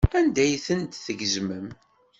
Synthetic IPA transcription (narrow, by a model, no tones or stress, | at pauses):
ænd̪æjθənt̪θəʝəzməm